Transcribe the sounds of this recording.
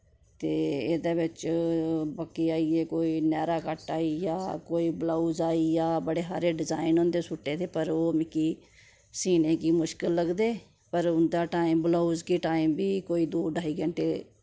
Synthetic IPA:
t̪eːeːd̪aːʋɪt͡ʃ | bəkːiːaːieːkoːiːnɛːɾaːkəʈaːiːjaːkoːiːblaːuːzaːiːjaːbəɽeːɦa̰ːɾeːɖɪzaːinɦõːnd̪eːsʊʈːeːt̪eːpəɾoːmɪkiː | siːneːkiːmʊʃkɪlːəɡd̪eː | pəɾʊnd̪aːʈaːimbloːuzkiːʈaːiːmbiːkoːiːd̪oːɖʱaːiːɡɛ̃ɳʈeː

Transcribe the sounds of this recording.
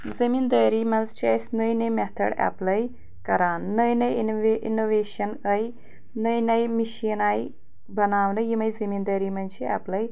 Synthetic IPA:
zɐmind̪əːɾiːmɐnzt͡ʃɐsʲnəjnɐjmet̪ʰɐ̰ɽa̰plɐj | kɐɾaːnːəjnɐjḭnoʋeːʃɐnɐj | nɐjnɐjmiʃinaːj | bɐnaːʋnɨjimɐjzɐmind̪ɐːɾimɐnt͡ʃʰia̰plɐj

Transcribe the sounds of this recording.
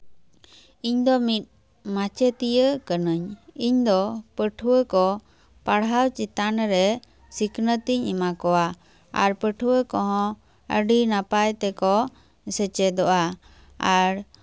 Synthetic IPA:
iɲd̪ɔmit̪̚ | mat͡ʃɛt̪ijəʔkənəɲiɲd̪ɔpəʈʰuwəkɔ | paɽawt͡ʃit̪anɾɛ | sikʰnət̪iɲimakɔwa | a̰ɾpəʈʰuwəkɔ̃ɦɔ̃ | ə̰ɖinapajt̪ɛkɔ | sɛt͡ʃɛd̪ɔʔa | aɾ

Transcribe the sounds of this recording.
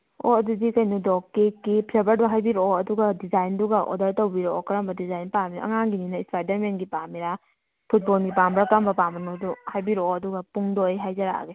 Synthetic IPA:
o̰ɐdudikɐjnudɔkːikipʰɾebɐɾduɦajbiɾoɐduɡɐdizajnduɡɐʔɔ̰dɐɾtowbiɾokɐɾɐmbɐdizajnpamiɾa̰ɐ̰ŋaŋɡininɐispajdɐɾmenɡipamiɾa | pʰut̚bolɡipambɾakɾɐmbɐpamɐnoduhajbiɾoɐduɡɐpuŋdojɦajzɐɾa̰ɡe

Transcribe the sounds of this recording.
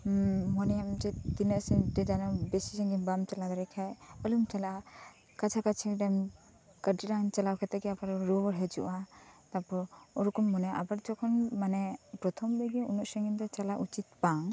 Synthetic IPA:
mɔnɛjamd͡ʒɛd̪inəsɛdɛd͡ʒanɔbɛsisɛŋɡinbamt͡ʃalad̪ɔɾɛkʰajɔlumt͡ʃala | kat͡ʃʰakat͡ʃʰidam | kəɾdiɾant͡ʃalawkʰat̪ɛɡɛapaɾɔɾubɔɾɦɛd͡ʒṵʔat̪apɔɔɾukɔnmɔnaʔabaɾd͡ʒɔkʰɔnmanɛpɾɔt̪ʰɔmbɛɡɛunɔʔsɛŋɡind̪ɔt͡ʃalaʔut͡ʃit̪̚baŋ

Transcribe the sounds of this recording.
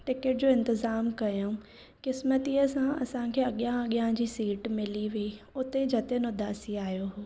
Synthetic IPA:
ʈɪkeʈ̚d͡ʑoːɪ̃nt̪ɪzaːmkɐjoũ | kɪsmət̪iəsãɐ̰sãkʰeːɐɠjãɐɠjãd͡ʑiːsiːʈmɪliʋii | ʊt̪ed͡ʑʱɐt̪enʊd̪ʱaːsiaːijoɦoː

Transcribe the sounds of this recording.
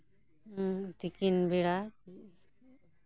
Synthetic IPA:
t̪ikinbiɽaki

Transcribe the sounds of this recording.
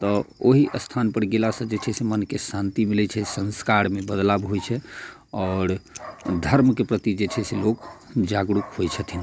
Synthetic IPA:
t̪ɔoɦiʔəst̪ʰanpəɾɡelasə̃d͡ʒet͡ʃʰɛsemənkesant̪imilɛt͡ʃʰɛsə̃nskaɾmebəd̪labɦojt͡ʃʰɛ | ɔːɾd̪ʱəɾmkepɾət̪id͡ʒet͡ʃʰɛselokd͡ʒaɡɽukɦojt͡ʃʰət̪ʰin

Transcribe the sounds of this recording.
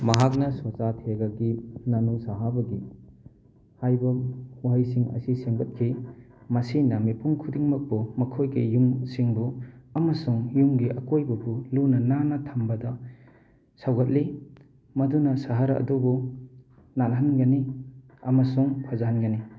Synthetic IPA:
mɐɦak̬̚nɐsat͡ʃatʰeɡaɡinɐnusaɦabɐɡi | hajbɐhuɦajsiŋɐ̰siseŋbɐt̚kʰi | mɐsinɐmipʰuŋkʰudiŋmɐk̚bumɐkʰojɡijumsiŋbuɐmɐsuŋjumɡiʔɐkojbɐbulunɐnanɐtʰɐmbɐdɐ | sawɡɐt̚li | mɐdunɐsaɦaɾɐʔɐ̰dubu | nalɦanɡɐni | ɐmɐsuŋpʰazaɦanɡɐni

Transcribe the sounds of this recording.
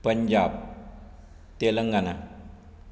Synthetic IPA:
pəɲd͡ʒap̚ | t̪elɐŋɡana

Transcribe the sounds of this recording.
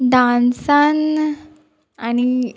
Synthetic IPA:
ɖãnsan | ani

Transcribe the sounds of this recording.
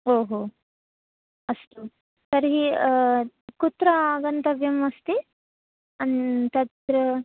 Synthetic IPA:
oːɦoː | ɐst̪u | sɐɾɦi | kut̪ɾɐaːɡɐnt̪ɐʋjɐmɐst̪i | ɐnt̪ɐt̪ɾɐ

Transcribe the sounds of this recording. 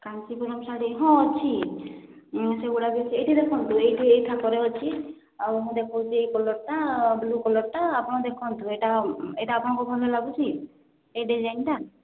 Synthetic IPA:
kant͡ʃipuɾɔmsaɽiɦɔ̃t͡ʃʰi | sebuɽabit͡ʃʰiejʈid̪ekʰɔnt̪uejʈʰiejt̪ʰakɔɾeɔt͡ʃʰi | awɦɔ̃d̪ekʰɔt͡ʃʰiejkɔlɔʈʈablukɔlɔʈʈaapɔɽ̃ɔd̪ekʰɔnt̪ueʈaeʈaːpɔɽ̃ɔ̃ŋkubʱɔlelaɡut͡ʃʰi | ejɖid͡ʒajnʈa

